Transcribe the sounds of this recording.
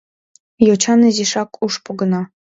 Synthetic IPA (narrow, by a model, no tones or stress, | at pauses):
jot͡ɕɑnɘziʃɑkʰuʃpoɡɤ̆nɑ